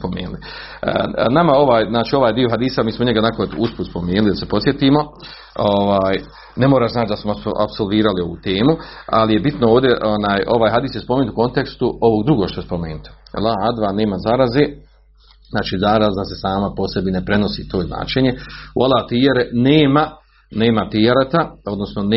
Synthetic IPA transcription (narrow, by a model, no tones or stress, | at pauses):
pomḛːnulḭ | namao̞ʋaːjznaːt͡ʃiːo̞ʋaːjd̪ioɦad̪iːsamiːsmoɲeɡanakod̪uspuspomeːnulid̪asepo̞t̪sje̞t̪iːmo̞ | oʋaːj | ne̞moːɾaːʃzaːt͡ʃd̪asmoa̰pso̞lˠʋiːɾalio̞ʋṵːt̪e̞ːmua̰lije̞bit̪nooːʋd̪ʲjeʔonaːjʔo̞ʋaːjɦad̪iːsjespomeːnt̪uko̞nt̪e̞kst̪uo̞ʋo̞ːɡd̪ɾuɡoʃt̪ojspo̞meːnut̪i̥̰lˠaad̪ʋane̞ːmazaɾazeː | znaːt͡ʃiːzaɾazase̞saːmapo̞sebinepɾe̞no̞sḭːt̪ʰoːzna̰ːt͡ʃeɲe̞ṵalˠat̪ijeɾeneːma | ne̞ːmat̪iaɾat̪ao̞d̪nosnon